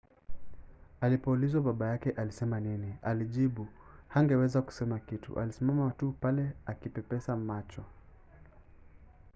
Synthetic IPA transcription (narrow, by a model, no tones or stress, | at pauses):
alipɔulizwaɓaɓajakɛʔalisɛmaninialiʄiɓuhaŋɡɛwɛzaku̥sɛmakitṵʔa̰lisimamatupalɛakipɛpɛsamat͡ʃɔ